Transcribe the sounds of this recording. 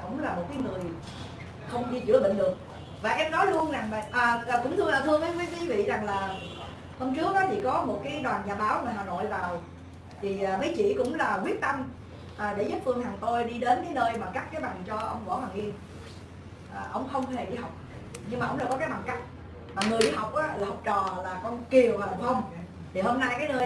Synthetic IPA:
kʊ̰˧˥ŋ͡mlaː˨˩mo˨˩t̚ka˨˦jŋɨ˨˩əj | xə˧wŋ͡mɗi˧t͡ɕɨ̰˧˩əɓə̰˧˨ŋ̟ɗɨ˨˩ək̚ | vaː˨˩ʔɛ˧mnɔ˨˦jlu˧ənza˨˩ŋa̰˧˨ʔaː˨˩ʔːkʊ̰˧˥ŋ͡mt̪ʰɨ˧ə˧laː˧˩t̪ʰɨ˧əŋəː˨˦jkwi˨˦kwi˨˦vḭ˧˨za˨˩ŋlaː˨˩ | ho˧mt͡ɕɨ˦˥ək̚ːɔ˨˦t͡ɕḭ˧˨˩kɔ˨˦mo˨˩t̚kaː˨˦jɗwaː˨˩nɲaː˨˩ɓaː˨˦wmaː˨˩ɦaː˨˩no̰˧˨jvaː˨˩w | t̪ʰi˨˩ʔaː˨˩mə˨˦jt͡ɕḭ˧˨kʊ̰˧˥ŋ͡mlaː˨˩kwi˦˥ət̚t̪ə˧m | ʔaː˨˩ɗe˧˩zu˦˥p̚fɨ˧əŋhaː˨˩t̪o˧jɗi˧ɗe˨˦nkaː˨˦jnəː˧jɓaː˨˩nka˦˥k̚kaː˨˦jɓa˨˩ŋt͡ɕɔ˧ʔə̰˧wŋ͡mɓɔ̰˧˥˦hwaː˨˩ŋʔi˧ən | ʔaː˨˩ʔə˧wŋ͡mxə˧wŋ͡mhe˨˩ɗi˧ha˨˩wk͡p̚ | ɲɨ˧ŋmaː˨˩ə̰˧wŋ͡mɗa̰˧˩kɔ˨˦kaː˨˦jɓa̰˨˩ŋka˦˥jk̚ | maː˨˩ŋɨ˨˩əjɗi˧ha˨˩wk͡p̚ʔaː˨˦laː˨˩hk͡p̚t͡ɕɔ̰˨˩laː˨˩kɔ˧nki˨˩əwvaː˨˩la˨˩ŋ͡mhə˧wŋ͡m | t̪ʰi˨˩ho˧mna˧jkaː˨˦jnəː˧j

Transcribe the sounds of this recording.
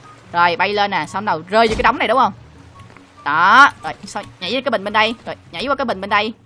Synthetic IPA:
zo˨˩jɓa˧jle˧nːaː˨˩sa˧wɗə˨˩wzəː˧jt͡ɕə˧kːaː˨˦jɗə˨˦wŋ͡mna˨˩jɗʊ˨˦ŋ͡mhə˧wŋ͡m | ɗɔ˨˦zo˨˩jsa˧ɲa̰˨˧˩jkaː˨˦ɓï˨˩ŋ̟ɓe˧nɗə˧jzo˨˩jɲa˧˥jwaː˧kaː˨˦jɓï˨˩ŋ̟ɓe˧nɗə˧j

